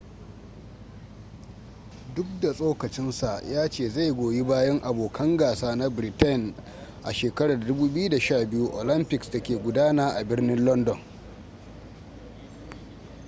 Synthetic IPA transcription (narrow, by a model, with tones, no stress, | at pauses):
dʊ˦k̚da˨sʼoː˦kɐ˨t͡ʃɪ˦nsa˨ʔjaː˦t͡ʃeː˦˨za˦˨jɡʷoː˨ji˦baː˦jɐ˦ŋʔa˨boː˨kʰɐ˦ŋɡaː˨saː˦na˦bɾi˨tɐ˦˨n | ʔa̰˨ʃeː˨kɐ˦ɽaː˨dʊ˦buː˦bɪ˦ju˦da˨ʃaː˦˨bɪ˦ju˦ʔoː˨lɐ˦mpɪ˨ksta˨kʲeː˨ɡʷʊ˦daː˦naː˦ʔa˨bɪ˦rnɪ˦nlɔ˦ndɔ˨n